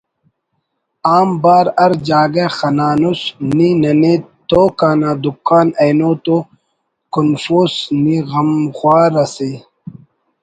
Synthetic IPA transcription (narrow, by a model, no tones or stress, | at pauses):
aːmbaːɾɐɾd͡ʑaːɡexɐnaːnusninɐnet̪oːkaːnad̪ukːaːnejnot̪o | kunfoːsniɣɐmxwaːɾɐse